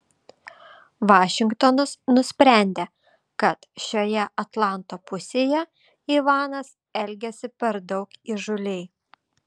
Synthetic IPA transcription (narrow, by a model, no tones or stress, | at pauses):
ʋɑːʃʲɪŋkt̪oːnɐsnʊsʲpʲɾʲæˑnʲd̪ʲeː | kɐt̪ʃʲoːjɛʔɐt̪lˠɑˑnt̪oːpʊsʲeːjɛ | iʋɑːnɐs | ɛlʲɡʲɛsʲɪpʲɛɾd̪ɒʊkiʒʊlʲɛɪ